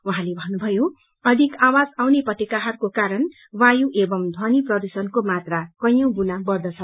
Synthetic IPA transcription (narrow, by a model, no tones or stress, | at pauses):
uɦãlebʱʌnːubʱʌjo | ʌd̪ʱikawad͡zawneprʌt̪ekaɦʌrkokaɾʌn | wajũʔebʌmd̪ʱwʌniprʌd̪usʌnkomat̪rakʌjʌ̃w̃bunabʌrd̪ʌt͡sʰʌ